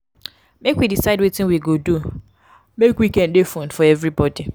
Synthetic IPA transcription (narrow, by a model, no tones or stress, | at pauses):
mekwidisaɪdwetɪ̃nwiɡodu | mekwikɛ̃ndefõndfɔɛvɹibɔdi